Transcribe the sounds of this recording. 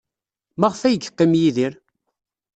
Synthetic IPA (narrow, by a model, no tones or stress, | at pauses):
maʁfæjəɡəqːimjiðiɾ